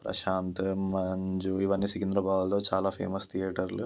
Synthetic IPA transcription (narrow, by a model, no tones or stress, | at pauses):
pɾɐ̰ʃaːnt̪mɐɲd͡ʒuiʋɐnːisikind̪ɾɐbaːwt̪oːt͡ʃaːlaːpʰḛːmɐst̪ʰijɐːʈɐɾlu